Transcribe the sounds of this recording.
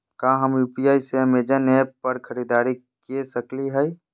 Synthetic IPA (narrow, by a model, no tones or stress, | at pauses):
kaɦəmjuːpijaːiseəmeːd͡ʒanep̚pəɾkʰəɾiːd̪aːɾi | kiesəkliɦɛj